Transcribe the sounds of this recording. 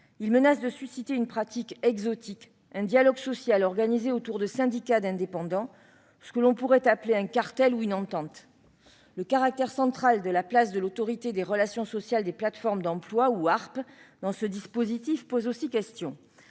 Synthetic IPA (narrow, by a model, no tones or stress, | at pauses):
ilmənasd̪əsɥisit̪eynpχat̪ikɛɡzɔt̪ik | ɛ̃d̪jalɔɡsɔsjalɔʁɡanizeot̪uʁd̪əsɛ̃d̪ikad̪ɛ̃d̪epɑ̃d̪ɑ̃ | sə̥kəlɔ̃puʁɛt̪apleɛ̃kaʁt̪ɛluynɑ̃t̪ɑ̃t̪ | ləkaʁak̚t̪ɛʁsɑ̃t̪χald̪əlaplasd̪əlot̪ɔʁit̪ed̪eʁəlasjɔ̃sɔsjald̪eplat̪fɔʁmd̪ɑ̃plwauaʁpd̪ɑ̃səd̪ispozit̪ifpozosikʲɛst̪jɔ̃